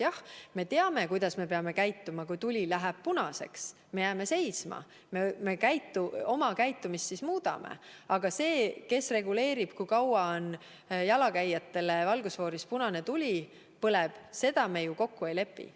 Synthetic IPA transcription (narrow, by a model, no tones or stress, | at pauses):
jɑhme̞t̪e̞ɑme̞kujd̪̥ɑsme̞p̬e̞ɑme̞kæjt̪ːˑumɑkujt̪ulʲilæɦæb̥̚punɑse̞̰ks | me̞jæme̞se̞jsmɑ̰ | meme̞kæjt̪ːˑuo̞mɑkæjt̪ːˑumist̪ːsismuːd̪̥ɑ̰mḛɑɡ̥ɑse̞ːke̞sre̞ɡule̞ːɾib̥kujkɑwɑon | jɑlɑkæjːɑt̪ːe̞le̞vɑlɡ̥usvo̞ːɾispunɑne̞t̪ulʲi | pɤleb̥se̞d̪̥ɑme̞juko̞kːuejle̞pːˑḭ